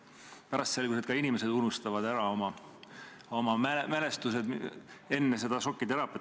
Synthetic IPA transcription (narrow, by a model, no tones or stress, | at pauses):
pæɾɑst̪se̞lɡus̬ed̪̚kɑinimese̞d̪unust̪ɑvɑd̪æɾɑo̞mɑ | o̞mɑmemele̞st̪use̞d̪e̞nːe̞se̞d̪̥ɑso̞kːˑit̪e̞ɾɑpːi